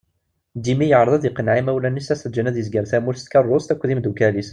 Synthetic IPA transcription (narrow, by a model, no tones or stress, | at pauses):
d̪imijəʕɾɑðˤɑðiqənʕimæwlænisæsəd͡ʒənæðjəzɡæɾθæmulst̪kɑrˤːʊst̪ækʷːðimd̪ukælis